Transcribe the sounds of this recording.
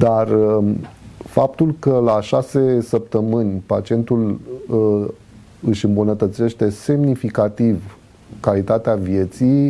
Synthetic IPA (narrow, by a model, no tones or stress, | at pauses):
d̪ar | fap̚t̪ulkəlaʃase̞səp̚t̪əmɨnʲpat͡ʃie̞nt̪ul | ɨʃɨmbunət̪ət̪se̞ʃt̪e̞se̞mnifikat̪iv | kalit̪at̪eavje̞t̪sij